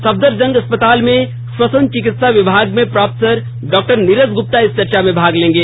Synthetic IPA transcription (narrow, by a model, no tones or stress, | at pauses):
sɐb̚d̪əɾd͡ʒɐ̃ŋɡɐspət̪aːlmẽ | swɐsə̃nt͡ʃɪkɪt̪saʋɪbʱaːɡmẽpɾaːp̪səɾ | ɖɔːk̚ʈəɾnɪɾəzɡʊp̚t̪aɪst͡ʃɐɾt͡ʃamẽbʱaːɡlẽːŋɡeː